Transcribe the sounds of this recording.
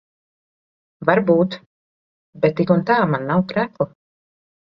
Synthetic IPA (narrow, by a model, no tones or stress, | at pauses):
vaɾbuːt̪ | bɛt̪ːikunt̪aːmanːawkɾæːklu